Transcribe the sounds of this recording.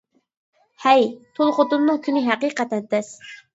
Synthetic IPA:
hɛjt̪ʰolˠχot̪umnɨŋkʲʰynɪɦæqiːqɛt̪ɛnt̪ɛs

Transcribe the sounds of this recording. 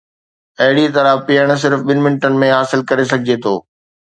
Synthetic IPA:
ɐɦɪɽit̪ɐɾəpijəɽ̃s̬ɪɾfɓɪnɪ̆mɪnɪʈənɪ̆mẽɦaːsɪlkɐɾesɐɡʱɪd͡ʑet̪ʰo̰ː

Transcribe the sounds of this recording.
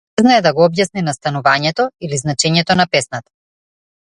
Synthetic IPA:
znaɛd̪aɡɔɔbjasninast̪anuvaɲɛt̪ɔiliznat͡ʃɛɲɛt̪ɔnapɛsnat̪ḁ

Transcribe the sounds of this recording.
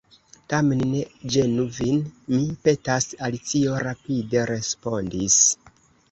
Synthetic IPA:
tame̞nːe̞d͡ʒe̞nuvinmipe̞tasalit͡sio̞ɾapide̞ɾe̞spo̞ndis

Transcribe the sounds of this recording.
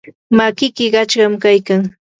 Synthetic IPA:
makɪkɪɢɑt͡ʃɢɑmkajkaŋ

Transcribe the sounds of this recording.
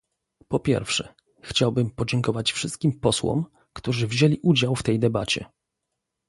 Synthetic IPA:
pɔpʲjɛ̰ɾfʂɛ | xt͡ɕawbɘmpɔd͡ʑɛŋkɔvat͡ɕfʂɘst̪̚kʲimpɔswɔ̰m | kt̪uʐɘvʑelʲiʔud͡ʑawft̪ɛjd̪ɛbat͡ɕɛ̰

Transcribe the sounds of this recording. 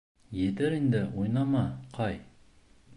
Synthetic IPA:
jed̪eɾend̪ɪwojnɑmɑqʰɑj

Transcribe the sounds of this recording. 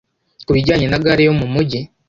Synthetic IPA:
kuβiɟaːɲe̞naɡaɾijo̞mumuɟi

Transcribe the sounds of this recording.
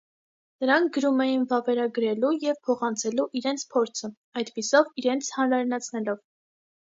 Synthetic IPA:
nəɾɑŋkʰɡəɾumɛjinvɑvɛɾɑɡəɾɛlujɛvpʰɔχɑnt͡sʰɛluʔiɾɛnt͡sʰpʰɔɾt͡sʰə | ɑjd̪pisɔviɾɛnt͡sʰhɑnɾɑɾinɑt͡sʰnɛlɔv

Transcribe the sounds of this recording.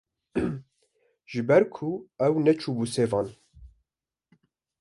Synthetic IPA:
ʒ̥ɨbɛɾkʰuɛwnɛt͡ʃʰuːbuːseːvɑːn

